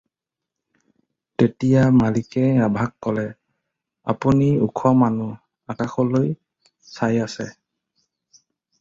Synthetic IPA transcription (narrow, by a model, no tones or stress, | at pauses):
tetijamalikɛabʱakːɔlɛ | a̰puniṵkʰɔmanu | akaxɔloj | sajasɛ